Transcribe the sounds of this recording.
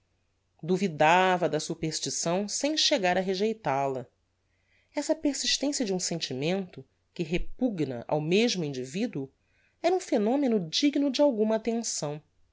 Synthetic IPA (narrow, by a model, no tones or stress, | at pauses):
d̪uvid̪avɐd̪ɐsupeɾʃt͡ʃisɐ̃w̃sẽj̃ʃeɡaɾɐɦeʒejt̪alɐ | ɛsɐpeɾsiʃt̪ẽsiɐd͡ʒɪũsẽnt͡ʃimẽnt̪ʊ | kɪɦepuɡnɐ̰ʔa̰wmeʒmʊĩnd͡ʒivid̪uu | ɛɾɐũfenõmenʊd͡ʒiɡnʊd͡ʒɪawɡũmɐaːt̪ẽsɐ̃w̃